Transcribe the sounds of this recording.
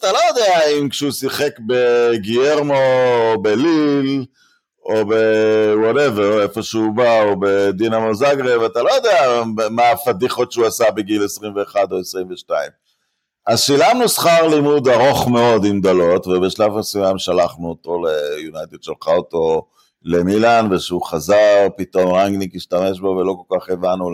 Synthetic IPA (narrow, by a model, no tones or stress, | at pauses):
at̪alojod̪eaimkʃɛusiχekbe̞ɡieʁmoːbelil | obewoɾeveʁefo̞ʃeubaobe̞d̪inamozaɡʁivat̪alo̞jod̪eamafad̪iχo̞tʃeuasabeɡilesʁimveːχad̪o̞esʁimveʃtaim | azʃilamnusχaʁlimud̪aʁo̞χme̞o̞d̪imd̪olo̞tvebeʃlafasimamʃalaχnuoto̞lejunajt̪ed̪ʃelχaot̪o̞ | lemilanveʃeuχazaʁpit̪o̞mʁaŋɡnikiʃtame̞ʃbovelo̞ko̞lkaχevanu